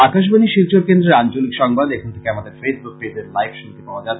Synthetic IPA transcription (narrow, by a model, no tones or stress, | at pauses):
akaʃ̬baniʃilt͡ɕoɾkend̪ɾeɾant͡ɕolikʃɔŋbad̪ekʰont̪ʰe̥keamad̪eɾfesbuk̚pebeɾlajbʃunt̪ipaoad͡ʑa